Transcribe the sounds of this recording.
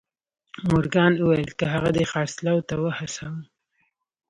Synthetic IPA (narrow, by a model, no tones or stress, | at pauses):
mʊɾɡɑnuwajlkaɦaɣad̪exɑɾslawt̪awəhasawə